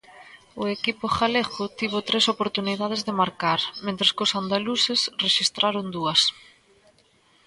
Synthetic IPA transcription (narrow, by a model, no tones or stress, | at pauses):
ʊekipʊxaleɣʊt̪iβ̞ʊt̪ɾesopoɾt̪uniðað̞ezðemaɾkaɾmẽnt̪ɾɐskʊsand̪alusesreʃist̪ɾaɾʊnd̪uɐs